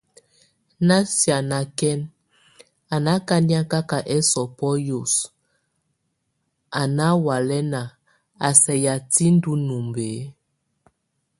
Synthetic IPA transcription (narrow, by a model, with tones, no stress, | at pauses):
na˦sja˨na˨kɛ˦n | a˨na˦ka˦ni˦a˦ka˦ka˨ʔɛ˦sɔ˨pɔ˦jo˨s | a˨na˦wa˨lɛ˦na˨ | a˨sɛ˨ja˨ti˦n˦du˦nu˨mbe˨˦